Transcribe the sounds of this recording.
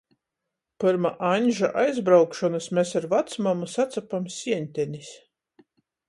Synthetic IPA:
pɨɾmaʔanʲʒaʔajzbɾawkʃɔnɨsmʲesaɾvat̪smamusat̪sapamsʲiɛnʲt̪ʲɛnʲis

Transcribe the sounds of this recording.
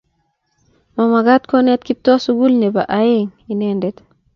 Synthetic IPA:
mamaɡat̚konet̪kip̚tosuɡulnɛbaʔajeŋinendɛt

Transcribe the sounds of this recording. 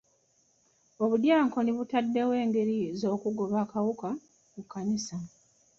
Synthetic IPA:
o̞βudjaːŋko̞niβutadːe̞we̞ːŋɡe̞ɾizo̞ːkuɡo̞βakawuka | mukːanisa

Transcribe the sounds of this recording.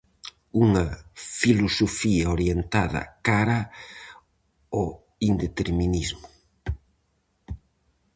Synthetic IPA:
uŋɐfilosofiɐoɾjent̪aðɐ̰kaɾɐ | o | ind̪et̪eɾminizmʊ

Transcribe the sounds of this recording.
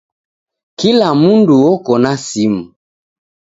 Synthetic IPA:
kilamunduɔkɔnasimu

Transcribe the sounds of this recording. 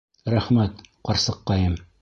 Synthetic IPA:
ɾæχmæt̪qɑɾsɤqːɑjɤm

